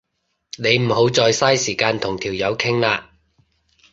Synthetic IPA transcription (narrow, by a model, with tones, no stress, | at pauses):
ne˨˧jm̩˨˩ho˨˥wt͡sɔː˧jsaː˥jsiː˨˩kaː˧nt̪ʰʊ˨˩ŋt̪ʰiː˨˩wjɐ˨˧wkʰɪ˥ŋlaː˧